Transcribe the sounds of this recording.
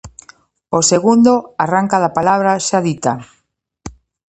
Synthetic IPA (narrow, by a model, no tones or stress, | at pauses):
oseɣund̪oaraŋkaðapalaβ̞ɾaʃaðit̪a